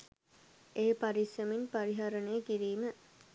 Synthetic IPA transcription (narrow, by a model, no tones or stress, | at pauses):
eːpaɾisjəminpaɾiɦaɾənəjəkiɾiːmə